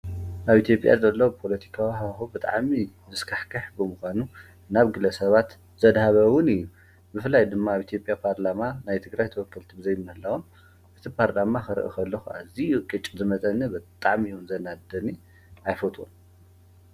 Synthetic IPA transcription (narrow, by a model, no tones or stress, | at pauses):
ʔaβit̪ʰjo̞pʼja̰zɐlːɐwpʰo̞lɐt̪ʰi̥kʰawihaxubɨt̪ʼa̰ʕmi | mɨskʰaħkʰɨħbɨmuxʷanu | naβɡɨlɐsɐβat̪ | z̥ɐd̪haβɐwʊnɨjːu | bɨfɨlːajd̪ɨmːaːβʔit̪ʰjo̞pʼjapʰaɾlamanajt̪ʰɨɡɾajt̪ʰɐwɔkːɐlt̪ʰibɨzɐjnːɨhɨlːawun | ʔɨt̪ʰipʰaɾlamaxɨɾɨ̰ʔḭkʰɐlːɐxua̰zikʼɨt͡ʃʼzɨmɐt̪ʼɐnːibɨt̪ʼaʕmiwunzɐnad̪ɐni | ʔajfot̪ʼṵn